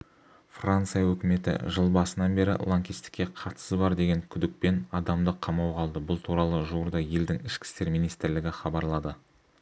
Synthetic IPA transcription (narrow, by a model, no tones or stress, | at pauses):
frant̪sɨjawɵkʲɪme̞t̪ɪ̰ʒəlˠbɑsənɑnbe̞ɾɪ̰lˠoŋkʲist̪ɪ̥kʲːe̞qʰɑɾt̪ə̥səzbɑɾd̪e̞ɡʲe̞ŋkʲʰʏd̪ɪk̚pe̞nɑd̪ɑmd̪əqʰːɑmɑwqʰɑlˠd̪əbʊlˠt̪ʰuɾɑlˠəʒuwəɾd̪ɑje̞ld̪ɪŋɪʃkʲɪ̥st̪e̞ɾmijnijst̪ɪɾlɪɡʲɪχɑbɑɾlˠɑd̪ə